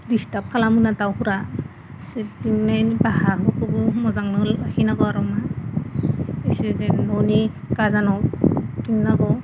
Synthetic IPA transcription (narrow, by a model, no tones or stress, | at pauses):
distap̚kʰalamɯnatawhuɾa | sediŋnajnbahaɦɯkʰɯbɯmɔzaŋnɯlhinaɡɔaɾɔma | esezenɔni | kazanɔkiŋnaɡɔ